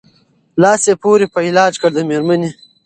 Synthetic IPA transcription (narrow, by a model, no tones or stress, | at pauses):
lɑːsepoːɾipəilɑːd͡ʒkəɽd̪əmeɾməne